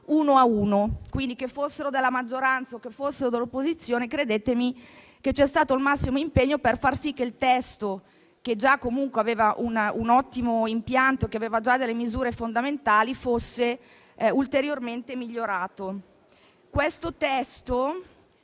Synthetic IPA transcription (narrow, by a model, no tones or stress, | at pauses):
uːnoauːnokwind̪ikefosːeɾod̪elːamad͡ʒːoɾant̪saokːefːosːeɾod̪elːopːozit̪sːjoːnekɾed̪eːt̪emi | ket͡ʃɛst̪aːt̪oilmasːimoimpeɲːoperfarsik̟ːeilt̪ɛst̪o | k̟ed͡ʒakːomuŋkweaveːvaʔununɔt̪ːimoimpjant̪oekeaveːvad͡ʒad̪elːemizuːɾefond̪ament̪aːlifosːe | ult̪eɾjorment̪emiʎːoɾaːt̪o | kwest̪ot̪ɛst̪o